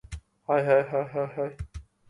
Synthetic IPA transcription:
hajɦajɦajɦajɦaj

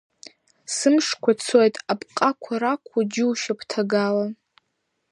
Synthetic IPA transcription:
sɨmʂkʷʰat͡sʰojtʼapʼqʼakʷʰaɾakʷʰad͡ʒɪwʃapʰtʰaɡala

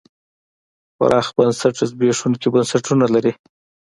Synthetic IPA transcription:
xa̰ɾʔɑxbansaʈɪzbeʂunkibansaʈunalaɾi

